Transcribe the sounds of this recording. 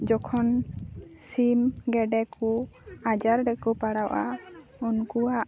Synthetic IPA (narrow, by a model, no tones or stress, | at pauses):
d͡ʒɔkʰɔn | simɡɛɖɛkuad͡ʒaɾɾɛkɔpaɽawʔaunkuaʔ